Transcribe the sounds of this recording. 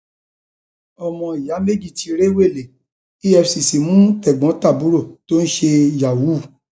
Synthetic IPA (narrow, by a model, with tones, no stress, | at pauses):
ɔ˨mɔ̃˧i˨ja˨˦me˦d͡ʒi˦˨ti˧ɾe˦we˦˨le˨ | i˦ɛ˧fsi˨si˨mũ˨˦tɛ˨ɡ͡bɔ̃˨˦ta˦˨bu˨˦ɾo˦˨to˦n̩˦ʃe˧˨ja˨wu˨˦˨